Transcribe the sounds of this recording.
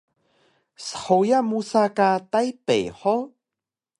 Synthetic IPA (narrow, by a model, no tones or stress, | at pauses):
sə̥ħojamusakatajpḛjħo